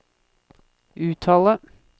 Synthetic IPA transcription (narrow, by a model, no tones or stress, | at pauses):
ʔʉːt̪ʰɑːlə